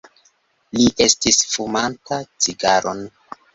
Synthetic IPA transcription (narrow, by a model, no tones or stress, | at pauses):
liʔe̞stisfumantat͡siɡaɾʔo̞n